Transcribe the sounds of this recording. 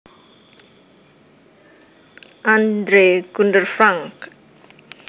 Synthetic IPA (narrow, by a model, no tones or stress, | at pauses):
and̪ɾekunɖərfʰraŋk